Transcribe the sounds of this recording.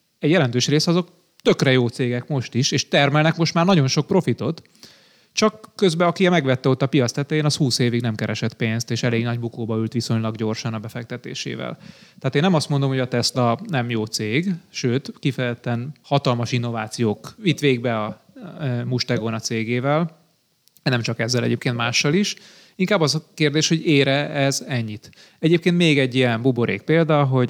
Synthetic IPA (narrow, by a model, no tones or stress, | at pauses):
ɛɟjɛlɛnt̪øːʃreːsɒzo̞k | t̪ø̞krɛjoːt̪seːɡɛkmo̞ʃt̪iʃeːʃt̪ɛrmɛlnɛkmo̞ʃt̪maːrnɒɟo̞nʃo̞k̚pro̞fit̪o̞t̪ | t͡ʃɒkːø̞zbɛɒkiɛmɛɡʋɛt̪ːɛo̞t̪ːɒpijɒt̪st̪ɛt̪ːɛeːnɒshuːseːviɡnɛmkɛɾɛʃɛt̪peːnst̪eːʃɛleːɡnɒɟbukoːbɒylt̪ʋiso̞ɲlɒɡɟo̞rʃɒnɒbɛfɛk̚t̪ɛt̪ḛːʃḛːvɛ̰lt̪ɛaːt̪eːnːɛmɒst̪mo̞nd̪omho̞ɟɒt̪ɛslɒnɛmjoːt̪seːɡʃøːt̪kifɛjɛt̪ːɛnhɒt̪ɒlmɒʃinːo̞vaːt̪sijoːkʋit̪ʋeːɡ̚bɛɒ | muʃt̪ɛɡonɒt̪seːɡeːvɛl | nɛmt͡ʃɒkɛzːɛlɛ̰ɟeːp̚keːnt̪maːʃːɒliʃ | iŋkaːbːɒzɒkeːrd̪eːʃho̞ɟeːɾɛɛzɛɲːit̪ | ɛɟeːp̚keːnt̪meːɡɛɟːijɛmbuboɾʔḛːk̚peːld̪ɒɦo̞ɟ